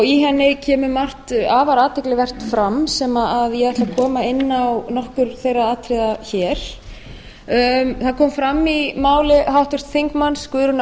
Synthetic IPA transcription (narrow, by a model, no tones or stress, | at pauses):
ɣiɦɛnːɪcʰɛːmʏmar̥t̪aːvaɾaːt̪ʰɛklɪvɛr̥t̪fɾamsɛmaaðjɛɣɛht̪lakʰɔːmaɪnːawnɔhkʏɾ̥θejrːaaːt̪ʰɾɪðaçɛːɾ̥ | θaðkʰɔːmfɾamːimaːwlɪhawht̪ʏr̥t̪θiŋkmanskvʏɾʏn